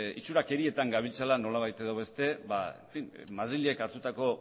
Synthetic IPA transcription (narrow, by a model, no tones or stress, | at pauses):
it͡suɾake̞ɾie̞t̪aŋɡaβ̞ilt͡salano̞laβ̞ajt̪e̞ðo̞β̞e̞st̪e̞βaḛɱfinmað̞ɾiʎe̞kaɾt̪ut̪ako̞